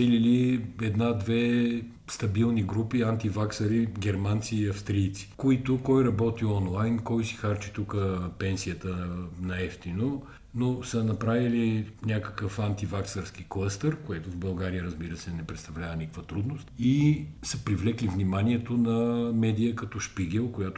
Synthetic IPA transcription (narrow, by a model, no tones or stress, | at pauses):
ɛliliɛd̪nad̪vɛ | st̪ɐbilˠniɡɾupiant̪ivaksɐɾiɡʲɛɾmant̪siːɐfst̪ɾiːt̪si̥koit̪ʊkɔjɾɐbɔt̪iɔnlˠajnkɔjsi̥xaɾt͡ʃi̥t̪ukəpɛnsijət̪ənɐɛft̪ino | nosənɐpɾavilinʲakə̥kəfant̪ivaksəɾskiklˠəst̪əɾkoɛt̪ʊvbɐlˠɡaɾijəɾəzbiɾəsɛnɛpɾɛt̪st̪ɐvlʲavənʲikəkvət̪ɾud̪nost̪isəpɾivlɛklivnimaniɛt̪onɐmɛd̪ijəkɐt̪ɔʃpiɡʲɛlˠkojat̪o